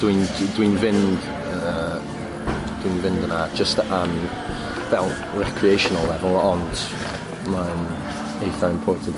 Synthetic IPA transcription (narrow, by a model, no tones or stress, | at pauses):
d̥wind̥winvɪnd | ə | d̥winvɪ̃ndənad͡ʒəstən | vɛlˠ | ɹɛkʰɹiejʃɔnəlˠːɛvəlˠɔnd | man | ejθaɪ̃mpʰɔɪntʰə